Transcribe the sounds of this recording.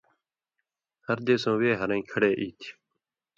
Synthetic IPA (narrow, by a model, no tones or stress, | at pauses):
həɾd̪eːsõːweːɦəɾə̃ĩːkʰəɽeːʔiːt̪ʰ